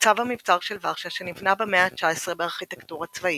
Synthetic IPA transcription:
t͡savamivt͡saʁʃelvaʁʃaʃenivnabemeat͡ʃaesʁebeaʁχitektuʁat͡svai

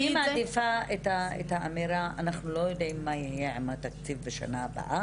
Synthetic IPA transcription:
imad̪ifaet̪aḛt̪aʔameɾaa̰naχnulojjod̪ʔimːajijeʕamat̪akt͡sivveʃa̰naaba̰ʔa

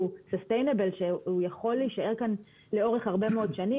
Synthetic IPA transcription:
usostejnebelʃeujaχo̞lːiiːʃae̞ʁkan | leo̞ʁe̞χhaʁbemeo̞dʃani

